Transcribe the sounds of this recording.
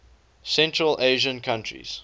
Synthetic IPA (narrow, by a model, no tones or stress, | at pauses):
sɛ̃ntɹəlʔeɪʒə̃nkʰãntʰɹḭz̥